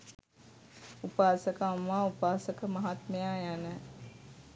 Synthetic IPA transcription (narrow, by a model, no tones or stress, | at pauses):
upaːsəkaːmːaupaːsəkəmɐɦat̪məjajanə